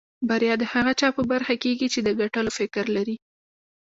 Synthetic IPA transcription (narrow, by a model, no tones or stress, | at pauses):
baɾjɑd̪əhaɣat͡ʃɑpəbaɾxakeɡit͡ʃed̪əɡaʈəlofɪkɾlaɾi